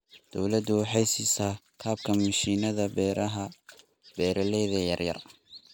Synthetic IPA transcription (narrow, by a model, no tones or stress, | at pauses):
d̪̥ɔwlɐd̪ʊwɑħɑjsiːsaː | kʰaːb̚kʰɐmɐʃiːnɐðɐbɛːɾɐɦɐ | b̥ɛːɾɐlɛːðɐjɐrjɐ̰r